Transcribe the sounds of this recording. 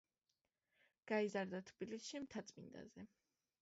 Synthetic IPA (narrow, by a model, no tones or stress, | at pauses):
ɡ̥aizaɾd̪at̪ʰbilisʃimt̪ʰat̪sʼmḭnd̪a̰zɛ